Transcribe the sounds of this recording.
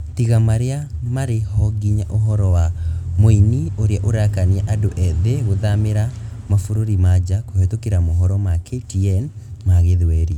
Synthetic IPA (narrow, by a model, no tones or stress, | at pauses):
tiɣamaɾeamaɾehɔɡiɲaʔoɦɔɾɔwamoinioɾeaʔoɾakaniaʔadoʔɛðeɣoðameɾa | mafoɾoɾimad͡ʑakohetokeɾamoɦɔɾɔmaketiɛn | maɣeðwɛɾi